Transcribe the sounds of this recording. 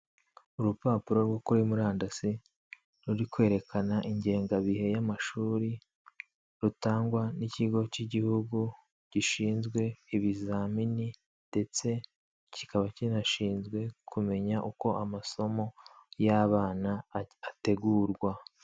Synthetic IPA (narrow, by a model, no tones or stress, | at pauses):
uɾupaːpuɾo̞ɾwokuɾimuɾaːndasi | ɾuɾikwe̞ːɾe̞kʰanaʔiɲɟe̞ːŋɡaβihe̞jamaʃuːɾi | ɾutaːŋɡwaniciɡo̞ciɟihuɡu | ɟ̥iʃiːnzɡwe̞iβizamini | nde̞t͡se̞ | ci̥kaβacinaʃiːnzɡwe̞kʰume̞ɲaʔuko̞amaso̞mo̞jaβaːnaate̞ɡuːɾɡwa